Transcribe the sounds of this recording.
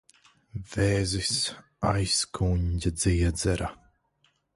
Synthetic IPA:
v̥eːzis | a̰jskʰuɲɟʲad̪ziɛd̪zɛɾa

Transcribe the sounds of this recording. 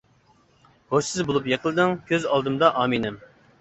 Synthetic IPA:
hoʃsɪzbolˠupjeqʰəlˠɨd̪ɨŋkʲʰøzɑlˠd̪ɨmd̪ɑʔɑːminɪm

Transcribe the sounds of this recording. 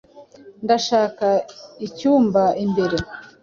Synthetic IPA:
ndaʃaːkaicuːmbaimbe̞ɾe̞

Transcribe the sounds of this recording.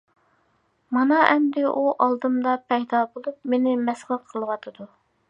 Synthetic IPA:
mɑnɑʔɛmd̪ɪʔuʔɑlˠd̪ɨmd̪ɑpʰɛjd̪ɑbolˠup̚menɪmɛsʁəqʰəlˠwɑt̪ʰɨd̪u

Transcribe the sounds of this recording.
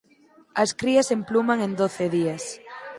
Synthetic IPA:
ɐskɾiɐsemplumaŋẽnd̪oθeðiɐs

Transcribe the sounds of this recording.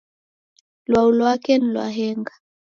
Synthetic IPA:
lwaulwakɛnilwa̰ɦɛŋɡa

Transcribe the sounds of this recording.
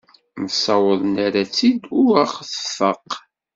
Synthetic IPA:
məsɑwəðˤnaɾæt͡sːid̪ʊɾæχθə̥fəq

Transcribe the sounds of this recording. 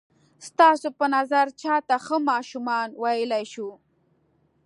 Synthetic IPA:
st̪ɑsopənazaɾt͡ʃɑt̪axəmɑʃumɑnwajəlajʃu

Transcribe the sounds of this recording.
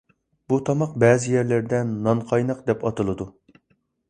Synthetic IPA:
b̥ut̪ʰɑmɑq̚bɛːzɪjɛɾlɪɾd̪ɛnːɑnqʰɑjnɑqd̪ɛpɑt̪ɨlˠɨd̪u

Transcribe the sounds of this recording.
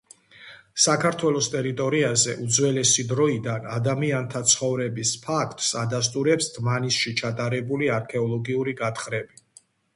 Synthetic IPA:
sakʰaɾt̪ʰwɛlˠɔst̪ʼɛɾit̪ʼɔɾiazɛʔud̪zwɛlɛsid̪ɾɔid̪anad̪amiant̪ʰat̪sʰχɔvɾɛbispʰakʰt̪ʼsad̪as̬t̪ʼuɾɛpsd̪manisʃit͡ʃʰat̪ʼaɾɛbuliaɾkʰɛɔlˠɔɡiuɾiɡat̪ʰχɾɛbi

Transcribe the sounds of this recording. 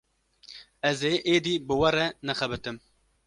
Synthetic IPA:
ɛzeːʔeːd̪iːbɨwɛɾɛnɛxɛbɨt̪ɨm

